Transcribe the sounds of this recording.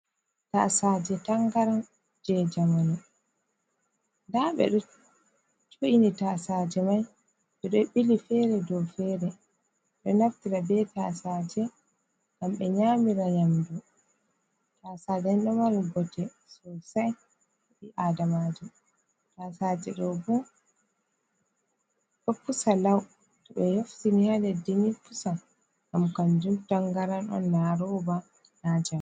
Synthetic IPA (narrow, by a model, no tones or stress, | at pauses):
ta̰saːd͡ʒɛtaŋɡaɾan | d͡ʒɛd͡ʒamanu | ndaɓɛ̰ɗɔ | t͡ʃoʔinitasaːd͡ʒɛmaj | ɓɛɗɔɓilifɛɾɛdɔwfɛɾɛ | ɗɔnaftiɾabɛtasaːd͡ʒɛ | ɡamɓɛɲaːmiɾaɲamdu | tasaːd͡ʒɛnɗɔmaɾibɔtɛ | sɔsaj | ɗiʔadamad͡ʒu | tasad͡ʒɛɗɔbu | ɗɔfusalaw | tɔɓɛjoftinihadɛdinifusa | ɡamkand͡ʒumtaŋɡaɾanɔ̰nːaɾɔba | nad͡ʒam